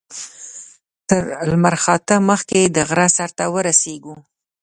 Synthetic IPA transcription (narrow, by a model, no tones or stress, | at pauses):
t̪əɾlmaɾxɑt̪əməxked̪əɣɾasaɾt̪awəɾaseɡu